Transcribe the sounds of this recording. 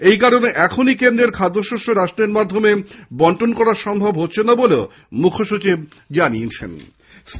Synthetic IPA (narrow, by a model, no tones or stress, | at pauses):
ejkaɾoneʔɛkʰonikend̪ɾeɾkʰad̪ʱːoʃoʃoɾaʃʈɾeɾmad̪ʱːomebɔɳʈonkɔɾaɾʃɔmbʱobɦotːɕʰenaboleo | mukʰoʃut͡ɕib | d͡ʑaniet͡ɕʰḛn | s